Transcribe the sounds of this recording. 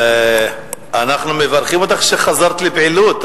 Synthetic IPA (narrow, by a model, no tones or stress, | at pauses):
ʔanaχnumevaɾχimot̪aχʃeχazaɾt̪libʕilut̪